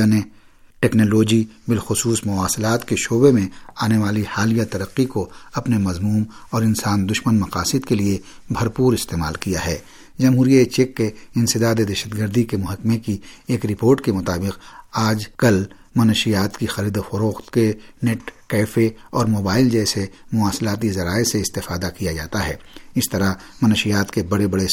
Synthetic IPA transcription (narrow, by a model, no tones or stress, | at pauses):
ane | ʈɛːknoːloːd͡ʒibɪlxʊsuːsmʊaːsɪlaːt̪keʃoːbemẽaːneʋaːlihaːlijat̪ɐɾəqːikoɐpnemɐzmuːmɔːɾɪnsaːnd̪ʊʃmənmɐqaːsɪd̪kelie | bʱɐɾpuːɾɪst̪eːma̰ːlkijaɦɛː | d͡ʒɐmɦuːɾiaet͡ʃekːeɪ̃nsɪd̪aːd̪ed̪ɛʃəd̪ɡəɾd̪ikemʊɦəkmekieːkɾɪpoːɾʈkemʊt̪aːbɪqaːd͡ʒkɐl | mɐnʃijaːt̪kixɐɾiːd̪ofɐɾoːxt̪keneʈkɛːfeɔːɾmoːbaːɪld͡ʒɛːsemʊaːslaːt̪̬izɐɾaːeseɪst̪ɪfaːd̪akijad͡ʒaːt̪aɦɛː | ɪst̪ɐɾamɐnʃɪjaːt̪kebɐɽebɐɽe